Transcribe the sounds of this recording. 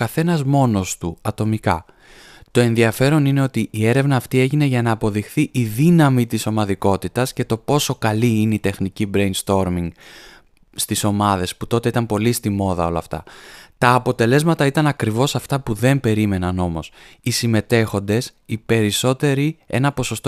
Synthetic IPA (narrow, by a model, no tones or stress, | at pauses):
kɐθe̞nɐzmo̞no̞st̪uɐt̪o̞mikɐ | t̪o̞e̞nðiɐfe̞ɾo̞nine̞o̞t̪iʔie̞ɾe̞vnɐːft̪ie̞ʝine̞ʝɐnɐːpo̞ðixθiʔiðinɐmit̪iso̞mɐðiko̞t̪it̪ɐsce̞t̪o̞po̞so̞kɐliineit̪e̞xnicibɾe̞jnst̪o̞ɾmiŋɡ | st̪iso̞mɐðe̞sput̪o̞t̪e̞it̪ɐmpo̞list̪imo̞ðɐo̞lɐft̪ɐ̰t̪ɐːpo̞t̪e̞le̞zmɐt̪ɐit̪ɐnɐkɾivo̞sɐft̪ɐpuðe̞mpe̞ɾime̞nɐno̞mo̞sisime̞t̪e̞xo̞nd̪e̞sipe̞ɾiso̞t̪e̞ɾie̞̰nɐpo̞so̞st̪o